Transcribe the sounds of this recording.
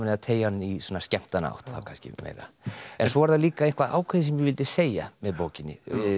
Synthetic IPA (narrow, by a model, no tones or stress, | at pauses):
nɛðat̪ʰeːjaanːisɔːnascɛm̥t̪ana̰wht̪θa̰wkʰanscɪ̰mḛːjɾa̰ | ɛnsɔvaɾθaðliːkaejnkvaðʔa̰ːwkʰɛðɪs̬ɛmjɛɣvɪlt̪ɪseːjamɛðpowcɪnːɪ̰